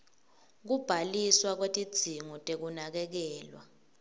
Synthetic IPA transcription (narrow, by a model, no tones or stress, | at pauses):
k̬ub̥ʱaliswak̬wetʼid̥z̥ʱiŋɔtʼek̬unak̬ɛk̬ɛːlwa̰